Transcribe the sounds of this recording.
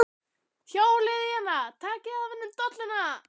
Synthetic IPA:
çaːwlɪðɪjanːat̪ʰaːcɪðavɛnːʏmt̪ɔt̪lɪnːa

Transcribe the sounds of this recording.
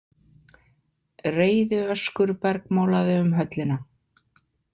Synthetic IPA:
reːjðʏœskʏɾpɛɾkmoːwlaðɪʏmɦœt̪lɪna

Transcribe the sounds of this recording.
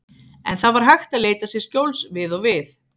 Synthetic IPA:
ɛ̰nθavaɾ̥ɦajxt̪aðleːjt̪asjɛɾ̥scowlsvɪðɔɣvɪθ

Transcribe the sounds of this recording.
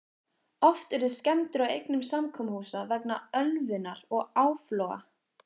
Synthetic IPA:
ɔft̪ɛɾðʏscɛmt̪ʏɾawejknʏmsamkʰɔmhuːsavɛknaœlvɪnaɾɔɣaːwflɔa̰

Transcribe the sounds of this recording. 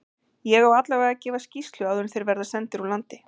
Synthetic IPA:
jɛɣawat̪laɣvɛːɣacɛːvascist̪lʏawðʏnθejɾvɛɾðasɛnt̪ɪɾalant̪ɪ

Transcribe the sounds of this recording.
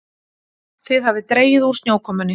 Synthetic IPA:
θɪðhavɪt̪ɾeːjɪðu̥sjoːwkʰɔːmʏnːɪ

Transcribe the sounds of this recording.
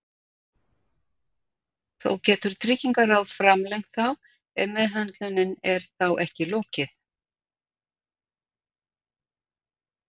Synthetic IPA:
θo̰wcɛːt̪ʏɾ̥t̪ʰɾɪciŋkaɾaðfɾamlejŋ̥t̪θaw | ɛðmɛðɦant̪lʏnɪnɛɾ̥θawʔɛhcɪloːcɪθ

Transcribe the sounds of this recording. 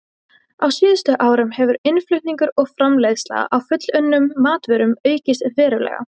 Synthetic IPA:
awsiːðʏst̪ʏʔaːwɾʏmhɛvʏɾɪnflʏɥht̪niŋkʏɾɔɣfɾamlejðsla̰ɣ̰awfʏt̪l̥ʏnːʏmːaːt̪vʏɾʏmœːɥcɪst̪vɛːɾʏlɛ̰ːɣa̰

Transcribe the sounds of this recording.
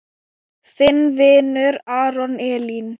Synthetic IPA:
θɪnvɪːnʏɾaːɾɔnɛːlin

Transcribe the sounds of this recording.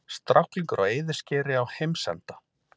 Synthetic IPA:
st̪ɾʔawhkliŋkʏɾa̰weːjðɪ̥scɛːɾɪawhejmsɛ̰nt̪ḁ

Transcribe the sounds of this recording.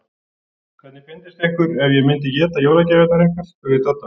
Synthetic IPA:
kʰvɛt̪nɪfɪnt̪ɪst̪ehkʏɾɛvjɛmɪnt̪ɪcɛːt̪ajowlacɛvɛt̪naɾejŋkḁsɛvɪðt̪œt̪a

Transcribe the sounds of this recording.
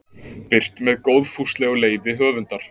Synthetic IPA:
pɪr̥t̪mɛðkoːwðfust̪lɛɣɔleːjvɪɦœːvʏnt̪aɾ̥

